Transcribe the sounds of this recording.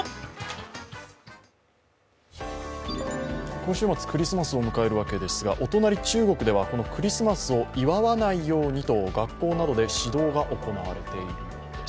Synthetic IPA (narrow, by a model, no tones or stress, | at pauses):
kõ̞ɰ̃ɕɨːmat͡sɨ̥kɯ̟ɾʲisɨmasɨo̞mɯ̟kae̞ɾɯ̟β̞ake̞d̪e̞sɨɡa̰ʔo̞t̪o̞naɾʲit͡ɕɨːɡo̞kɯ̟d̪e̞β̞ako̞no̞kɯ̟ɾʲisɨmasɨo̞iβaβanaijo̞ːɲ̟it̪o̞ɡakːo̞ːnad̪o̞d̪e̞ɕid̪o̞ːɡaʔo̞ko̞naβa̰ɾe̞t̪e̞iɾɯ̟